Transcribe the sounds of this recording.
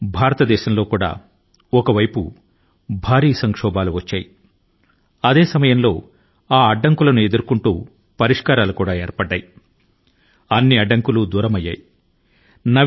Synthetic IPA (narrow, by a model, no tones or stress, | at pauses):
bʱaːɾɐt̪ɐd̪ɛːʃɐmlo̞ːkuːɽa̰ː | ɔkɐʋɐjpṵ | bʱaːɾiːsɐŋkʂɔːbaːluʋɐt͡ʃːa̰ːji | ɐd̪e̞ːsɐmɐjɐmlo̞ː | aːɐɖːɐŋkulɐnue̞d̪uɾkuɳʈuː | pɐɾiʂkaːɾaːlukuːɽaːeːɾpɐɖːa̰ːji | ɐnːiɐɖːɐŋkuluːd̪uːɾɐmɐjːa̰ːji | nɐ